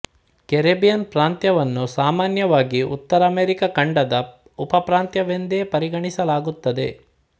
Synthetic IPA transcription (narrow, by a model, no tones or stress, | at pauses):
keɾebijɐnpɾaːnt̪jɐʋɐnːusaːmaːnjɐʋaːɡiṵt̪ːɐɾɐːmeːɾikɐkɐɳɖɐd̪ɐ | upɐpɾaːnt̪jɐʋend̪eːpɐɾiɡɐɳisɐlaːɡut̪ːɐd̪e̞